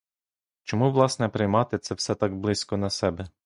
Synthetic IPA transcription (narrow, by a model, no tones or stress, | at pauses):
t͡ʃɔmuʋlˠɑsnɛpɾɪjmɑt̪ɪt̪sɛwsɛt̪ɑɡblˠɪsʲkɔnɐsɛbɛ